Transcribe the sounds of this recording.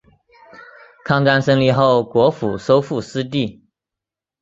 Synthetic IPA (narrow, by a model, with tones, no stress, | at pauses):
kʰɑ˥˩ŋka˥nʂɤ˥ŋli˥˧xo˥˩ʊkwɔ˧˥fu˨˩ʂo˥ʊfu˥˩sɹ̩˥t̪̬i˥˩